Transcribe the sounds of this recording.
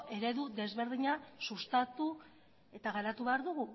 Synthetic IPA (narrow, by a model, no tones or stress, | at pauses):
ʔe̞ɾe̞ðuðe̞zβe̞ɾðiɲasust̪at̪u | e̞t̪aɣaɾat̪uβeaɾðuɣu